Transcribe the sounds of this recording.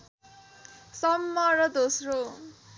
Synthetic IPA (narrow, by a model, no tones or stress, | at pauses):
sʌmːʌrʌd̪osro